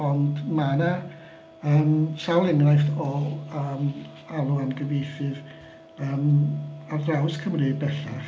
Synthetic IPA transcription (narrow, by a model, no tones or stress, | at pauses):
ɔndmana | əːmsalˠɪnrajθɔəːm | alˠuamɡəvejθɨð | əːmardrawskʰəmrɨːd̚bɛɬa